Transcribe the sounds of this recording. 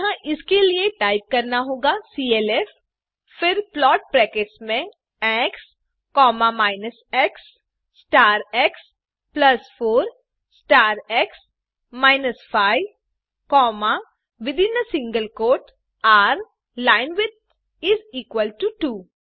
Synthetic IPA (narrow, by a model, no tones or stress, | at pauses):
ɦãʔɪskelieʈaːɪp̚kɐɾnaɦoːɡasiːeːlɛf | fɪɾplɔːʈ̚pɾɛːkeʈsmẽ | ɛ̃ːks | kɔːmamaːɪnəsɛks | sːʈaːɾɛːks | plɐsfoːɾ | sʈaːɾɛːks | maːɪnəsfaːɪʋ | kɔːma | ʋɪd̪ɪ̃nəsɪ̃ŋɡəlkoːʈ | aːɾ | laːɪnʋɪd̪̚ | ɪziːkwəlʈuʈuː